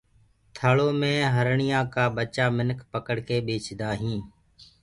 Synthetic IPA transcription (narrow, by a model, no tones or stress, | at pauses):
t̪ʰəɭoːmẽːɦəɾɳɪjãːkaːɓət͡ʃaːmɪnkʰpəkəɽkeːɓeːt͡ʃd̪aːɦĩː